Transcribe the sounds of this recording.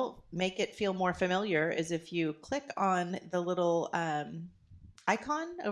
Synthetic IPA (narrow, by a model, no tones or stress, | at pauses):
lˠmeɪkɨtfilˠmɔɹfɨmɪlˠjə˞ʔɨzɨfjɨkʰl̥ɪkn̩ðəlɪɾl̩ˠʌ̃m | aɪkʰɑ̃no̰ʊ